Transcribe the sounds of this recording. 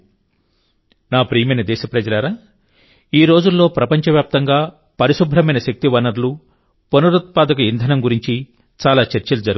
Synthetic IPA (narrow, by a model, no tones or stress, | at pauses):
naːpɾiːmenɐd̪ɛːʃɐpɾɐd͡ʒɐlaːɾaː | iːɾo̞ːd͡ʒulːo̞ːpɾɐpɐɲt͡ʃɐʋjaːp̚t̪ɐŋɡaː | pɐɾiʃubʱɾɐmɐjnɐʃɐk̚t̪iʋɐnɐɾlu | ponɐɾut̪̚paːd̪ɐkɐind̪ʱɐnɐmɡuɾiɲt͡ʃi | t͡ʃaːlaːt͡ʃɐɾt͡ʃɐlud͡ʒɐɾ